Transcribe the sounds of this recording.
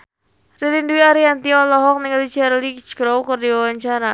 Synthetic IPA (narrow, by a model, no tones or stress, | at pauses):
rilinduiaɾiant̪iɔlɔɦɔk̚niŋalit͡ʃɛrlit͡ʃkɾowkərdiwawaɲt͡ʃaɾa